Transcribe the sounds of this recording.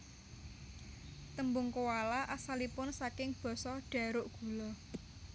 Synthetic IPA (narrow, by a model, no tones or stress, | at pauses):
t̪əmbʊŋkowalaʔasalipʊnsakɪŋb̥ɔ̤sɔɖ̥ä̤ɾʊʔɡ̥ṳlɔ